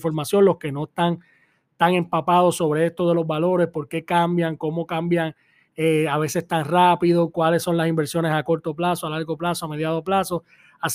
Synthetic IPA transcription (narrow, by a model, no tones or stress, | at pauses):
fo̞ɾmasjõ̞nlo̞ske̞no̞est̪aŋ | t̪aŋẽ̞mpapaðo̞so̞βɾee̞st̪o̞ðe̞lo̞zβalo̞ɾe̞spo̞ɾke̞kambjaŋko̞mo̞kambjaŋ | eaβe̞se̞st̪aŋrapiðokwale̞sːo̞nlasimbe̞ɾsjo̞ne̞sako̞ɾt̪o̞plasoalaɾɣo̞plasoame̞ðjaðoplaso̞ | as